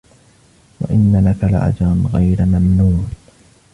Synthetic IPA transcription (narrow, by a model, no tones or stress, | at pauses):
wa̰ʔɪnːalakalʔa̰d͡ʒaɾnɣajɾmamnuːn